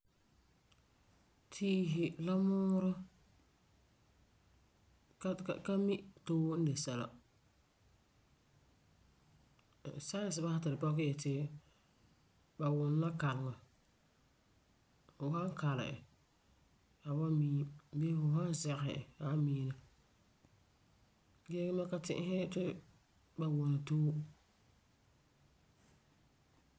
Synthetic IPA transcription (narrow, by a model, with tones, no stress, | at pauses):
tʰiː˦ɦɪ˨la˦mʊː˦ɾɔ˦ | kka˦mɪ˦toː˦wn̩˦de˨sɛ˨la̰˨ | sa˦ɪ˨sɪ˨ba˦ha˦tɪ˨ɾpɔ˦kɪ˦ɛ˨tɪ˦ | ba˨wʊ˨n˦la˦ka˨lɪ˨ŋa˨ | fʊ˨ha˦ka˨lɪ̰˨ɪ̰˨ | a˨ba˦miː˦be˦fʊ˨ɦa˦nzɛ˦ɣɪ̰˨a˨˦miː˦na˨ | ɡe˦ɡɪ˦ma˦ka˦tɪ̰˦ʔɪ˦hɪ˦tɪ˦ | ba˨wʊ˨na˨toː˦